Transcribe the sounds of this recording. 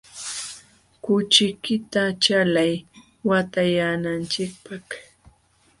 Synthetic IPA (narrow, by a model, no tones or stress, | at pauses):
kʊt͡ʃɪkɪt̪at͡ʃalaj | wat̪ajanant͡ʃɪk̚pak